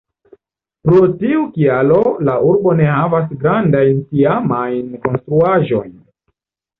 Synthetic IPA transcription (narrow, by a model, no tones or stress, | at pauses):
pɾotiukialo̞laʔuɾbo̞ne̞havas̬ɡɾandajntiamajnko̞nstɾuaʒo̞̰jn